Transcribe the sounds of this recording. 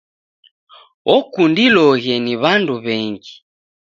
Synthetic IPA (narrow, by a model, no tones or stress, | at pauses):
ɔkundilɔɣɛniβanduβɛŋɡi